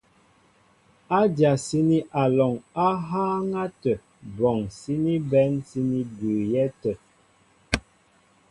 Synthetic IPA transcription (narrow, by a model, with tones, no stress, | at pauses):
a˦dja˨si˦ni˦ʔa˨lɔ˨ŋa˦ɦaː˦ŋa˦tə˨ | bɔ˨ŋsi˦ni˦bɛ˨˦nsi˦ni˦bʉː˨jɛ˦tə˨